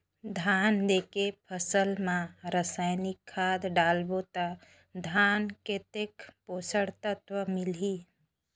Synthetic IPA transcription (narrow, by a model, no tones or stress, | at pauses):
d̪ʱand̪ekepʰəsəlmãɾəsaːɪnikʰːaːd̪ɖaːlbot̪a | d̪ʱaːnket̪ekposəɽt̪ət̪ʋəmɪli